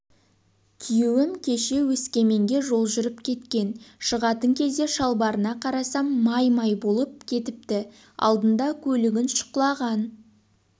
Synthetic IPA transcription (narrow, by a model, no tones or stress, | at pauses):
kʲʰijewɪmkʲʰe̞ʃe̞wɵskʲe̞me̞ŋɡʲe̞ʒo̞lˠʒʏɾəpkʲʰe̞t̪kʲe̞nʃəʁɑt̪əŋkʲʰe̞zd̪e̞ʃɑlˠbɑɾənɑqʰɑɾɑsɑmːɑjmɑjbo̞lˠəp̚kʲʰe̞t̪ɪp̚t̪ɪ | ɑ̰lˠd̪ənd̪ɑkʲʰɵlɪɡʲɪnʃʊ̥qlˠɑʁɑn